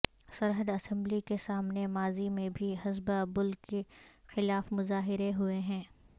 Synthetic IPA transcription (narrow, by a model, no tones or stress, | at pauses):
sɐɾɦəd̪ɐsɛ̃mblikesaːmnemaːzimẽbʱiɦɐzbabʊlkexɪlaːfmʊzaːɦɪɾeɦʊeɦɛ̃ː